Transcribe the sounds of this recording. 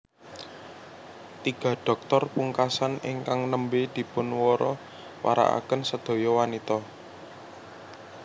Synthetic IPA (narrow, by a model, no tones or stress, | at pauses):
t̪iɡ̥ä̤ɖ̥ɔ̤k̚t̪ɔrpuŋkasanɪ̰ŋkaŋnəmbed̪̥i̤pʊnwɔɾɔ | wa̰ɾa̰ʔa̰kənsəd̪̥o̤jɔwanit̪ɔ